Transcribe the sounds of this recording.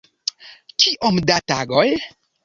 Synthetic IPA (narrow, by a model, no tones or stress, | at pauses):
kiʔomdataɡoj